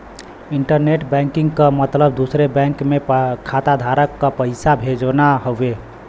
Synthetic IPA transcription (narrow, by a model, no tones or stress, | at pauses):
iɳʈəɾneʈbɛ̃ŋkiŋɡkəmət̪ləb̚d̪usɾebɛ̃ŋkmekʰat̪ad̪ʱaɾəkːəpəɪsabʱed͡ʒonaɦoe